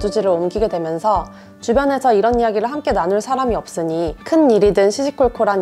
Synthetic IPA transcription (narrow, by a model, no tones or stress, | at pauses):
d͡ʑud͡ʑiɾɯɾomɡiɡe̞dwe̞mjʌnsʰʌ | t͡ɕubjʌnɦe̞sʰʌiɾʌnijaɡiɾɯɭɦamk͈e̞nanuɭsʰaɾamiʌp̚s͈ɯɲikʰɯnːiɾidɯnɕʰid͡ʑʰikʰoɭkʰoɾan